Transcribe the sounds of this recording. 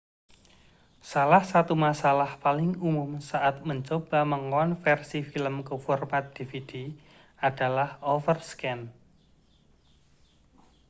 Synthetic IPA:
salahsat̪umasalahpalɪŋumʊmsaʔat̪̚məɲt͡ʃob̥a̤məŋɔnfɛrsifiləmkəfɔrmat̪̚d̪̥ifid̥i | ad̥alahɔfərskɛn

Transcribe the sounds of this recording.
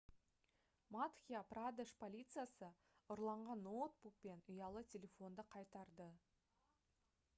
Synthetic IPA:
mat̪xʲijaprad̪eʂpʰolʲijt̪sɨjasə | ʊɾlˠɑɴʁɑnːot̪̚buk̚pe̞nʊjɑlˠətʲʰe̞lʲe̞fo̞nd̪əqʰɑjt̪ɑɾd̪ə

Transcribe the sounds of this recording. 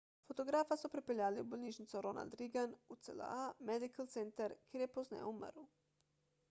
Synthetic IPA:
fot̪oɡɾaːfasupɾepeʎaːliubolʲniʃnit̪suɾonʔa̰ld̪ɾiɡanut̪sḛla̰amed̪ikalt̪sent̪aɾkeɾjepoznḛo̰umə̰ɾu

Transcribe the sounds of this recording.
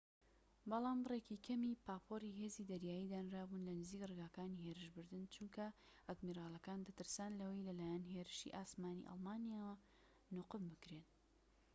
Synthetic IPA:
bɑlˠaːmbreːkikʰɐmiːpaːpʰoriɦe̞ːzid̪ɐɾjaːjiːd̪aːnɾaːbunlɐnɨziːkrɨɡaːkaːniheːɾɨʃbɨɾd̪ɨnt͡ʃuŋkɐ | ʔɐd̪miːɾaːlˠɐkaːnd̪ɐt̪ɨɾsaːnlɐwɐjlɐlaːjɛnɦeːɾɨʃḭʔaːsmaːnḭʔɑ̰lˠmaːnijaːwɐ | nʊqɨmbɨkɾeːn

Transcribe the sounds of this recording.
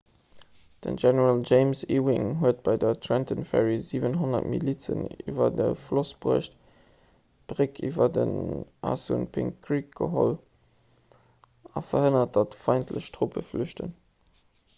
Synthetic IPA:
d̥ə̰nʒɛnəʁald͡ʒeɪmsiwɪŋɦuət̚b̥ɑɪdɐtʰɹɛntənfɛ̰ɹiziːvənɦonɐ̰tmḭliːt͡sə̰nḭːvɐdəflosb̥uɐʃt | b̥ʁikʰiːvɐdənʔɑ̰sṵnpʰiŋʁik̚ɡ̥əɦo̰l | ɑfɐhənɐt̚d̥ɑtfɑɪntʰlə̰ɕtʁ̥opəflyʃtən

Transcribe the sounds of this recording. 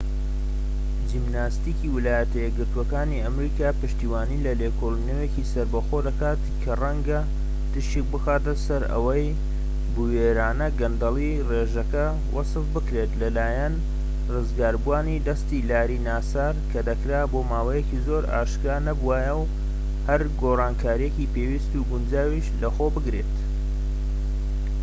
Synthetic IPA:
d͡ʒimnaːst̪iːkiwɨlaːjɐt̪ʰɐjɛɡɡɨɾt̪wɐkaːniɐmɾiːkaːpɨʃt̪iːwaːniːlɐlekʰolinewecisɐɾbɐxo̞d̪ɐkaːt̪kʰɐrɐŋɡɐ | t̪ɨʃik̚bɨxaːt̪ɐsɐɾɐ̰wɐj | buweɾaːnɐɡɐnd̪ɐlˠi | reːʒɐkɐ | wʔɐ̰sɨfbɨkɾe̞t̪lɐlaːjɐn | rɨzɡaːɾbuaːnid̪ɐst̪ilaːɾinaːsaːɾkʰɐd̪ɐkɾaːboːmaːwɐjekizo̞ːɾa̰ːʃkɾaːnɐbuwaːjɐw | hɐɾɡoːraːnkʰaːɾijecipewist̪uɡʊnd͡ʒaːwiʃlɐxoːbɨɡɾe̞t̪

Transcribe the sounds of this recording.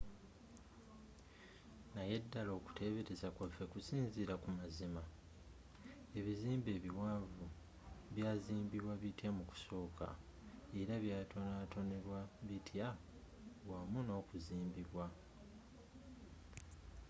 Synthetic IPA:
najedːalo̞ːku̥tʰe̞ːβe̞ɾe̞zakwafekusiːnziɾakumazima | e̞βiziːmbe̞ːβiwaːvu | βjaːziːmbiβwaβitjamuku̥so̞ːkʰa̰ | eɾaβjaːtʰonatʰo̞ne̞ɾwaβitʰja | βwamuno̞ːkuziːmbiβwa

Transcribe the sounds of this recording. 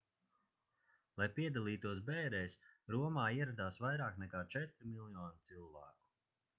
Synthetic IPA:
lˠajpiɛd̪alˠiːt̪uɔsbɛːɾɛjsɾuɔmaːiɛɾad̪aːsvajɾaːknɛkaːt͡ʃɛt̪ɾimilˠjɔːnit̪silˠvæ̰ːku̥

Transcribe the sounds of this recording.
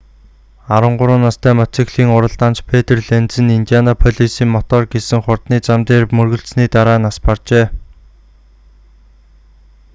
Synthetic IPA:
aɾə̆ɴɢʊɾʊːnːast̪ʰæːmat͡sikɮiːŋʊɾə̆ɮt̪aːnt͡ɕpʰet̪ĕrɮent͡ssɘ̆nint̪ijanapʰɔɮisiːŋmɔt̪ɔːrɡesɘ̆ŋχʊrt̪niːt͡samt̪eːrmɵrɣɵ̆ɬsniːt̪aɾaːnaspart͡ɕeː

